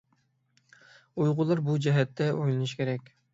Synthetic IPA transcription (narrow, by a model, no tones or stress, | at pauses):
ujʁʊlˠɑɾbud͡ʒɛɦɛt̪ʰːɛojlˠunuʃkʲʰeɾɛkʲ